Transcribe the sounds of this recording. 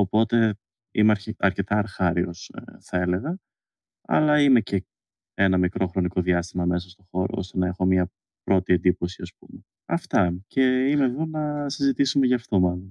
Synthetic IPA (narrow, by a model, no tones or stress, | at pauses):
opo̞t̪e̞ | ḭmeɾɐɾce̞t̪ɐːɾxɐɾio̞sθɐe̞le̞ɣɐ | ɐ̰lɐime̞ce̞ | enɐmikɾo̞xɾo̞niko̞ðiɐst̪imɐme̞sɐst̪o̞xo̞ɾo̞̰ost̪e̞nɐe̞xo̞mɲɐ | pɾo̞t̪ie̞nd̪ipo̞siɐsp̚ume̞ | ɐft̪ɐcʰe̞imeðo̞nɐsizit̪isumeʝɐːft̪o̞mɐlon